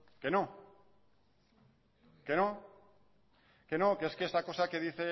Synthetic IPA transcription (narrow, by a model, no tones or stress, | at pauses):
ke̞no̞ | ke̞no̞ | ke̞no̞keeskeest̪ako̞sake̞ðiθe̞